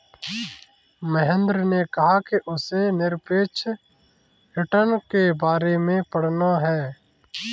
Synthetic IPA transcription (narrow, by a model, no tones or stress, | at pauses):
məɦə̃nd̪ɾnekɐɦakeʔʊsenɪɾpeːt͡ʃʰ | ɦɪʈənkebaːɾemẽpəɽ̤naɦɛː